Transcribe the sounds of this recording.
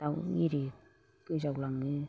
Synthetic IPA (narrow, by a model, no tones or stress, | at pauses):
tawŋiɾi | kɯzawlaŋːɯ